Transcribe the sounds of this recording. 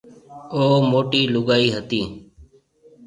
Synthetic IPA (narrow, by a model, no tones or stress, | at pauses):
oːmoːʈiːlʊɡaːiːɦət̪iː